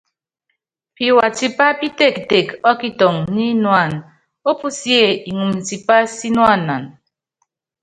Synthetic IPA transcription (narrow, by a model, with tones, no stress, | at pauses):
pi˨wa˨ti˦pa˦pi˦te˦˨kte˨kɔ˦ki˦tɔ˨ŋni˦nwa˦˨n | o˦pu˦sje˦˨i˨ŋu˨mn̩˨ti˨pa˦si˦nwa˦˨nːa˨n